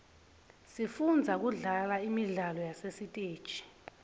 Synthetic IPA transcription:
sifund͡zʱak̬uɮalaimiɮalɔjasesitʼeːd̥t͡ʃʰʼi̥

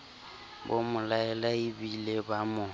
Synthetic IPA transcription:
bomʊlaɛlaibilebamʊ

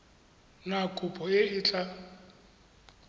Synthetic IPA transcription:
nakʼʊpʼɔeɪːt͡ɬʼa

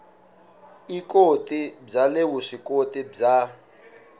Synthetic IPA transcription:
ikotʼib͡ʐalewuʂikotʼib͡ʐa

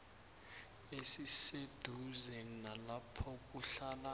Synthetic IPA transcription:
esised̥ʱuzɛnalapʰɔk̬ʼuɬala

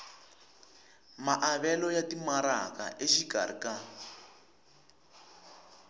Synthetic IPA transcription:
maʔaβɛlɔjatimaɾaka̰ʔeʃiɡa̰ɾḭka

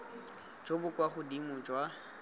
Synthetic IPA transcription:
d͡ʒobʊkʼwaχʊdimʊd͡ʒwa

